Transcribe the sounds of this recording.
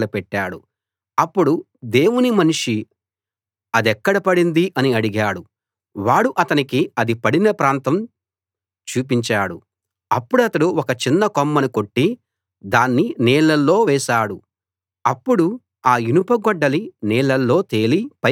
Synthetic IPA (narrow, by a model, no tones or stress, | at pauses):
lɐpɛʈːaːɽu | ɐpːuɽu | d̪e̞ːwunimɐnuʂi | ɐd̪ɛkːɐɽɐpɐɽind̪iʔɐniɐɽiɡaːɽu | ʋaːɽuʔɐt̪ɐnikiɐd̪ipɐɽinɐpɾaːnt̪ɐm | t͡ʃuːp̬iɲt͡ʃaːɽu | ɐpːuɽuɐt̪ɐɽuɔkɐt͡ʃinːɐkomːɐnuko̞ʈːi | d̪aːnːiniːɭːɐlːo̞ːʋɛːʃaːɽu | ɐpːuɽu | aːinupɐɡɔɖːɐliniːɭːɐlːo̞ːt̪e̞ːlipɐ